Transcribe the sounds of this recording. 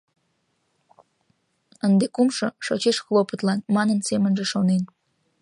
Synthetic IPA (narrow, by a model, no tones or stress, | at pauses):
ənd̪ekumʃoʃot͡ɕeʃxlˠopət̪lɑnmɑnənsemənʒeʃonen